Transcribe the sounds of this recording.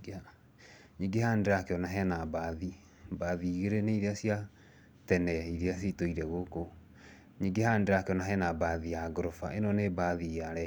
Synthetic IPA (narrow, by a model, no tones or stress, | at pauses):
ɲiːɡehandeɾakeɔnaɦɛnabaði | baðiɣeɾeneiɾeasia | tɛnɛiɾeas̬itoiɾɛɣoko | ɲiːɡehandeɾakeɔnaɦɛnabaðijaɡɾofa̰ʔenɔnebaðijaɾɛ